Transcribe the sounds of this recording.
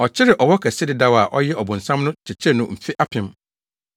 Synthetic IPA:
ɔ˨t͡ɕʰɪ˦ɾɪ˨ʔɔ˨wɔ˦kʰɛ˨sɪ˦dɪ˨da˦wa˨ʔɔ˦jɛ˦ɔ˨bʊ̃˨n̩˨sã˦mnʊ̃˦t͡ɕʰɪ˨t͡ɕʰɛ˦nʊ̃˨m̩˨fɪ˦ʔa˦pʰɪ̃˨˦m

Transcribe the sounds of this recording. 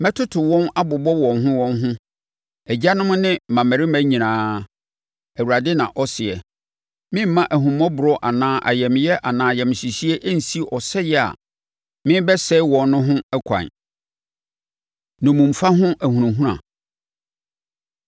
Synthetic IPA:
mɛ˦tʰʊ˦tʰʊ˨wɔ̃˦na˦bʊ˨bɔ˦wɔ̃˨nɦʊ̃˦wɔ̃˦nɦʊ̃˦ | æ˨d͡ʑa˦nʊ̃˦mʊ̃˦nɪ̃˦˨mã˨mɛ˨ɾɪ˦mæ̃˦ɲĩ˨nãː˦ | æ˨wu˨ɾa˨dɪ˦nã̰˨ʔɔ˦sɪ˨ɛ˨ | mɪ̃˦m̩˦mã˦ʔæ˨ɦũ˨mɔ̃˦bʊ˨ɾɔ˦ʔa˨nãː˦ʔa˨jɛ˨mɪ̃˨jɛ˦ʔa˨nãː˨˦jɛ˨mɪ̃˨ɕi˨si˦ɛ˦ʔæ˦n̩˨si˦ʔɔ˨sɛ˦jɛ˦a̰˨ | mɪ̃˦bɛ˦sɛ˦wɔ̃˨nː˦ʊ̃˦ɦʊ̃˦ɛ˦kʷʰã̰˨n | nʊ̃˨mũ˨m̩˨fa˦ɦʊ̃˦ʔæ˨hũ˨ũ˨ɦũ˦ɾã̰˨

